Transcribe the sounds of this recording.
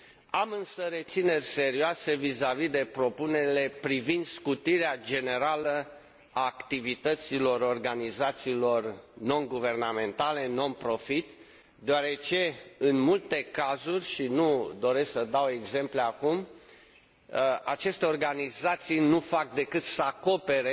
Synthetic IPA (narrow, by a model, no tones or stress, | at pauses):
amɨnsəɾe̞t̪sine̞rʲse̞ɾioase̞vizavid̪e̞pɾo̞puneɾile̞pɾivind̪skut̪iɾead͡ʒe̞ne̞ɾalə | aːkt̪ivit̪ət̪silo̞ɾo̞rɡanizat̪siːlo̞rno̞nɡuve̞rname̞nt̪ale̞no̞npɾo̞fit̪ | d̪eoaɾe̞t͡ʃe̞ɨnmult̪e̞kazurʲʃinud̪o̞ɾe̞sksəd̪awe̞ɡze̞mpleakum | at͡ʃe̞st̪eo̞rɡanizat̪sijnufak̚d̪e̞kɨt̪səako̞pe̞ɾe